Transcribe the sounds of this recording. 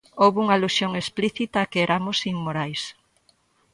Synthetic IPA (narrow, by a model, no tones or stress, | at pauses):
owβuŋaːlusjoŋespliθit̪ɐːkeeɾʔamosimmoɾajs